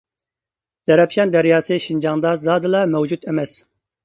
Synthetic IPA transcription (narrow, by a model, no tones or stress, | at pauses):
z̥ɛɾɛpʃɑnd̪ɛɾjɑːseʃind͡ʒɑŋd̪ɑzɑːd̪ɨlɑmɛwd͡ʒud̪ɛmɛz̥